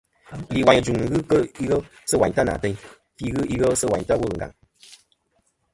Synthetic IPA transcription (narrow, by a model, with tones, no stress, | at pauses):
li˨wa˨ɲ˨d͡ʒu˨ŋ˨ɣɨ˦kə˦i˦ɣə˦sə˦wa˨ɲta˦na̰˨tɛ˧˦ɲ | fi˧ɣɨ˦i˦ɣə˦sə˦wa̰˨ɲ˨ta˦wə˦lŋ̩˨ɡa̰˨ŋ